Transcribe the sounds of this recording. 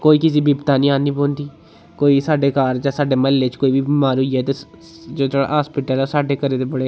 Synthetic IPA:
koːiːkɪs̬iːbiːbt̪aːnĩːaːnĩːbõːnd̪iː | koːiːsaːɖeːkaːɾd͡ʒaːsaːɖeːmɛːlːeːt͡ʃkoːiːʋiːmaːɾiɛːt̪e | d͡ʒoːd͡ʒeːɽa̰ːɦaːspɪʈəloːsaːɖeːkəɾeːd̪eːbəɽeː

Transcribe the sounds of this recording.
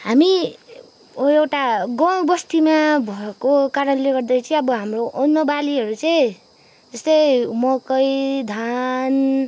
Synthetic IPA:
ɦami | ewʈaɡʌ̃wbʌst̪imabʱʌekokaɾʌnleɡʌrd̪ʌjt͡sʌ̃ʌbʌɦamroʔːnːʌbaliɦʌɾut͡sʌj̃ | d͡zʌst̪ʌjmʌkʌjd̪ʱan

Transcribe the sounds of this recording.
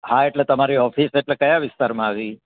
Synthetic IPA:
hãeʈlet̪əmaɾiɔfiseʈlekəjaʋɪst̪aɾmãaʋi

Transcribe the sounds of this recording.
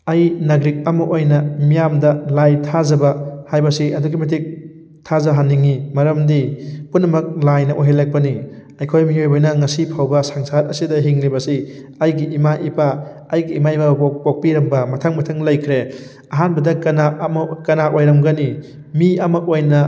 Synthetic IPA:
ɐjnɐɡɾik̚ɐmɐʔojnɐmijamdɐlajtʰazɐbɐhajbɐsiɐduɡimɐt̬ʰik̚ | tʰazɐɦaniŋimɐɾɐmdipunːɐmɐk̚lajnɐʔojɦelɐk̚pɐniɐjkʰojmiojbojnɐŋɐsipʰawbɐsaŋsat̚ɐsidɐɦiŋlibɐsiɐjɡiːmaʔipaː | jɡiːmaibapok̚piɾɐmbɐmɐtʰɐŋmɐtʰɐŋlɐjkʰɾe | ɐɦanbɐdɐkɐnamkɐnaojɾɐmɡɐni | miɐmɐojnɐ

